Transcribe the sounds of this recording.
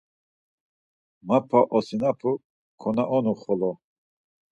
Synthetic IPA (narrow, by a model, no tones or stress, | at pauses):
mapʰaʔɔsinapʰu | kʰɔnaʔɔnuχɔlɔ